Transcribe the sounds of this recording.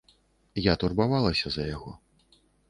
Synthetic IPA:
jat̪urbavalˠɐsʲɐzɐjaɣɔ

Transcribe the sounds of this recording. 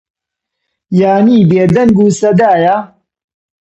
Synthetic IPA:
jaːniːbeːd̪ɐnɡuːsɐd̪aːja

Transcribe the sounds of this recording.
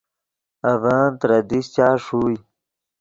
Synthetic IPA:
ɐvaːnt̪ɾɐd̪iɕt͡ɕaːʂuːj

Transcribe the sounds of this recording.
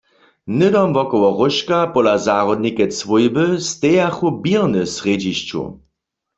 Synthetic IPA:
nɪd̪ɔmvɔkɔwɔʁʊʃkapɔlazaːʁɔd̪nikɛt͡sʋujbəst̪ɛjaxubiʁnɨsʁed͡ʑiʃt͡ʃṵ

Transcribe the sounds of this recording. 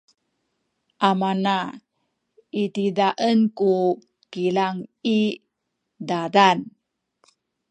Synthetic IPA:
ʔamana | itidaʔənku | kilaŋi | dadan

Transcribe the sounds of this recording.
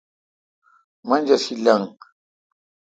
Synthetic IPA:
mand͡ʒasilaŋ

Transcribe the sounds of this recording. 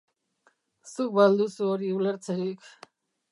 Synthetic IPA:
suk̚bald̪usuoɾiuleɾt͡sʰeɾik

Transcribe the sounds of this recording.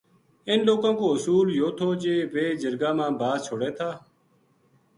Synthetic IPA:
ɪnloːkãːkoːɦʊsuːljoːt̪ʰoːd͡ʒeːʋeːd͡ʒəɾɡaːmãːbaːd̪t͡ʃʰoːɽeːt̪ʰaː

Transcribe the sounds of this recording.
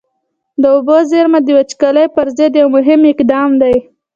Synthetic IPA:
d̪əʊbozeɾmad̪iwat͡ʃkaləjpəɾzɪd̪jawmʊɦɪmɪkd̪ɑmd̪aj

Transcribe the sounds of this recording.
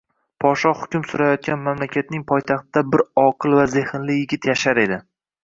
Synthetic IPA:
pʰɒʃɒhʊkʲʊmsʊɾajɒt̪̚kʲanmamlakʲʰat̪̚nɪŋpʰɒjt̪ʰaχt̪ɪd̪abɪɾɒqʰɨlˠvaze̞hɪnlɪjɪɡʲɪt̪ʰjaʃaɾe̞d̪ɪ

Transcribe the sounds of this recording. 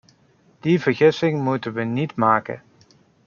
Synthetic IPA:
d̥ivəɹɣɪsɪŋmutənʋənitmaːkə̰

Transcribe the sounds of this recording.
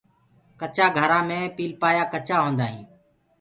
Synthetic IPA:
kət͡ʃaːɡʱəɾãːmẽːpiːlpaːjaːkət͡ʃaːɦõːnd̪aːɦĩː

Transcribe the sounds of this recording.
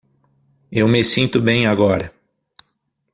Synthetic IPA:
ewmesĩnt̪ʊbẽj̃aɡɔɾɐ

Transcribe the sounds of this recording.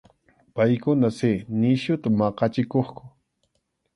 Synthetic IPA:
pajkʊnasɪnɪʃʊt̪amɑqɑt͡ʃɪkoχkʊ̥

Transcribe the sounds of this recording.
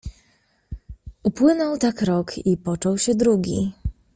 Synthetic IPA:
upwɘnɔwt̪akɾɔkʰipɔt͡ʂɔwɕɛd̪ɾuɡʲḭ

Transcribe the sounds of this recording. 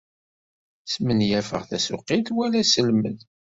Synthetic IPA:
smənjæfə̰ʁθæsʊqːiθwælæsəlməð

